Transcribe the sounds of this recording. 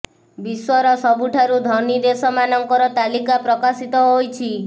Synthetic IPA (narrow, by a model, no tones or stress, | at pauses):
biswɔɾɔsɔbuʈʰaɾud̪ʱɔnid̪esɔmanɔŋkɔɾɔt̪alikapɾɔkasit̪ɔɦojt͡ʃʰi